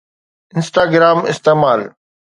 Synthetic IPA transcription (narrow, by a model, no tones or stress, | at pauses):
ɪ̃nsʈaːɡɾaːmɪ̰st̪eːmaːl